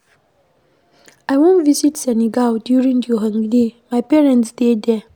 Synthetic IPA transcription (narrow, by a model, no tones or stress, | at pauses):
ajwõntvisitsɛniɡaldjuɹĩŋjɔɦãŋɡdemajpɛɹɛ̃ntsdedɛ